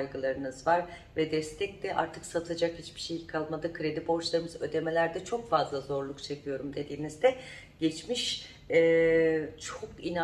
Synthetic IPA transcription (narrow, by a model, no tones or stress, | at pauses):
jɡɯlˠaɾɯnɯzvaɾvɛd̪ɛst̪ʰɛc̚d̪ɛʔa̰ɾt̪ʰɯksat̪ʰad͡ʒakhit͡ʃb̥i̥ʃejkʰalˠmad̪akʰɾe̞d̪ibo̞ɾt͡ʃlˠaɾɯmɯzø̞̰d̪e̞me̞lʲæɾd̪ɛt͡ʃʰo̞kfazlˠazo̞ɾlˠukt͡ʃʰe̞kʰɯjo̞ɾumd̪e̞d̪iːnizd̪ɛ | ɟ̥ɛt͡ʃmiʃ | ɛ | t͡ʃʰokina